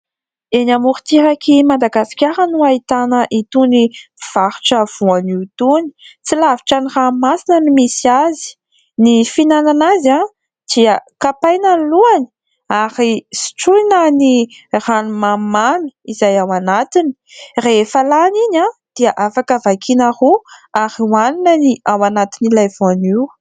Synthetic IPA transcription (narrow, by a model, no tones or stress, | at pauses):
enamuɾit̪iɾakʰimad̪aɡasi̥kʲaɾənuait̪anəʔit̪univ̥aɾi̥ʈ͡ʂəv̥uaniit̪uni̥t͡silaviʈ͡ʂaniramasinənimisiazi̥ | nifinananaza | d̪̥iəkapajnanluani̥ | aɾisi̥ʈ͡ʂujnaniranumamani̥izajawanat̪ini̥reefəlaniɲad̪̥iaʔafakəvakʰinahuaɾiwaninəniawanat̪inilajvuaniw